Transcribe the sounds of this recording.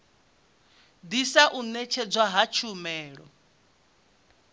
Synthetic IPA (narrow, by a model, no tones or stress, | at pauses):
d̪isaʔunɛt͡ʃʰɛd͡zwaɦat͡ʃʰumɛːɺɔ